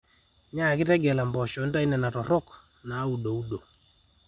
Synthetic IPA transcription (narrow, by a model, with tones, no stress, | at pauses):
ɲa˦˨kɪ˦tɛ˦ɡɛ˨la˨mbɔ˨ʃɔ˨˦n˦ta˦i˦nɛ˨na˨tɔ˨ɾɔ˦k | na˨˦u˨do˨u˦do˨